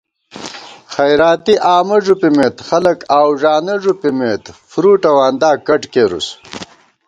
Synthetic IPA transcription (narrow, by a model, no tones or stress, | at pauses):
xɐjɾaːt̪iʔaːmɐʐupimeːt̪xɐlɐkaːwʐaːnɐʐupimeːt̪fɾuːʈɐwaːnd̪aːkɐʈkeɾṵs